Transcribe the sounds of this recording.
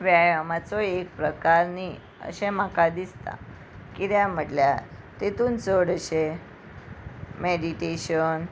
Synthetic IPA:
ʋjajamat͡sɔek̚pɾəkaɾni | ə̰ɕẽm̤akad̪ist̪a̰ | kid̪jam̤əʈljat̪et̪uːnt͡səɽəɕe | meɽiʈeɕən

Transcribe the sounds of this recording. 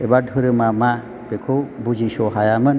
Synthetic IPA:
ebadʱuɾɯmama | pekʰobud͡ʒisɔɦajamɯn

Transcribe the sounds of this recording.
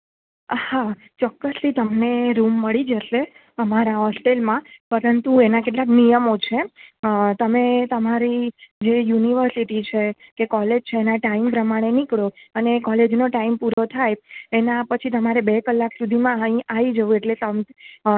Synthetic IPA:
ha | t͡ʃɔkːəst̪ʰit̪əmneɾumːəɭid͡ʒəʃe | əmaɾaɦɔsʈelmãpəɾənt̪uenakeʈ̬laknijəmot͡ʃʰeət̪əmet̪əmaɾid͡ʒejuniʋəɾsiʈit͡ʃʰekekɔled͡ʒt͡ʃʰeːnaʈaimpɾəmaɽ̃enikɭoənekɔled͡ʒnoʈaimpuɾot̪ʰajenapət͡ʃʰit̪əmaɾebekəlːaksud̪ʱimãəɦĩʔaid͡ʒəʋũeʈlet̪əm

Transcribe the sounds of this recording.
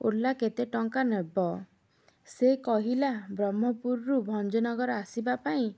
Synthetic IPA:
ulːaket̪eʈɔŋkanebɔ | sekɔɦilabɾɔmːɔpuɾɾubʱɔnd͡ʒɔnɔɡɔɾɔasibapaĩ

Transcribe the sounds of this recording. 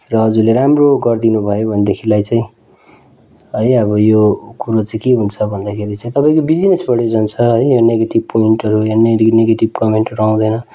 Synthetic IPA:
rʌɦʌd͡zuleɾamroɡʌrd̪inubʱʌjobʱʌnd̪ekʰilajt͡sãĩ | ɦʌjʌbʌjokuɾot͡saĩkeɦunt͡sʰʌbʱʌnd̪akʰeɾit͡sʌ̃ĩt̪ʌpãĩkobid͡zinesbʌɽjod͡zʌnt͡sʰʌɦʌjjoneɡeʈib̚poiɳʈʌɾujaneneɡeʈibkʌmeɳʈʌɾuaw̃d̪ʌjnʌ

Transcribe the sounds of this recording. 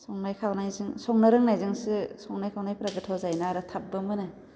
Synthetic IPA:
sɔŋnajkʰawnajzɯŋsɔŋnɯɾɯŋnajzɯŋsɯsɔŋnajkʰawnajpɾaɡɯtʰɔzajnaaɾɯtʰap̚bɯmɯnɯ

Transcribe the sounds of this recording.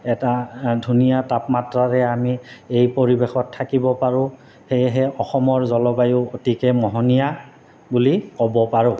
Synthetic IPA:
ɛtadʱunijatapmatɹaɹɛamiejpoɹibexɔtʰːakibɔpaɹʊ̃ | xejɦɛɔxɔmɔɹzɔlɔbajʊotikɛmɔɦɔnija | bulikɔbɔpaɹʊ̃

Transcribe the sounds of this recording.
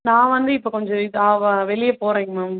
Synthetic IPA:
nãːʋɐnd̪ɯɪpːokɔɲd͡ʒɔ̃ɪðaʋɐʋɛɭɪjɐpoːɾẽːŋɡɐmaːm

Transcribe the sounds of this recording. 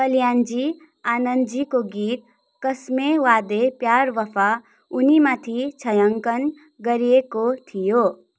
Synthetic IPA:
kʌljand͡zi | anənd̪d͡zikoɡit̪ | kʌsmewad̪epjaɾʋʌpʰa | unimat̪ʰit͡sʰʌjʌŋkʌn | ɡʌɾiekot̪ʰijo

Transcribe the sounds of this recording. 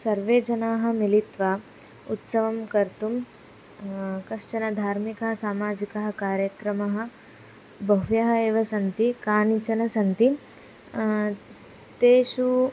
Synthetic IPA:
sɐɾʋeːd͡ʒɐnaːɦɐ̆milit̪ʋaː | ut̪sɐʋɐmkɐɾt̪um | kɐʂt͡ʃɐnɐd̪ʱaːɾmikɐɦɐsaːmaːd͡ʒikɐɦɐ̆kaːɾjɐkɾɐmɐɦɐ̆ | bʱɐʋjɐɦɐeːʋɐsɐnt̪ikaːnit͡ʃɐnɐsɐnt̪i | t̪eːʃu

